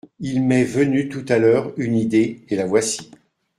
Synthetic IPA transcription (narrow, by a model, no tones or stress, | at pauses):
ilmɛvənyt̪ut̪alœːʁynid̪eelavwasi̥